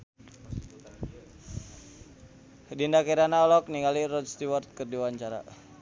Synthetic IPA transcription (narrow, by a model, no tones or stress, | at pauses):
dindakiɾanaɔlɔk̚niŋalirɔdst̪iwɔrt̪̚kərdiwaɲt͡ʃaɾa̰